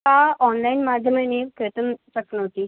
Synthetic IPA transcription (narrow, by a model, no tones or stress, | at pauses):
aɔːnlainmaːd̪ʱjəmẽnekɾɪt̪ənpɐsnəɦoːt̪iː